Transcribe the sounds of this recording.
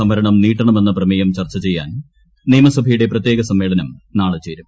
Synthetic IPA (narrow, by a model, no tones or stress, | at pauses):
ɐmɐɾɐɳɐmniːʈːɐɳɐme̞nːɐprɐmijɐmt͡ɕɐrt͡ɕːɐt͡ɕe̞jːa̰ːn | niːmɐsɐbʱɐjuɽe̞prɐt̪jeːɣɐsɐmːe̞ːɭɐnɐmnaːɭɐt͡ɕːeːɾum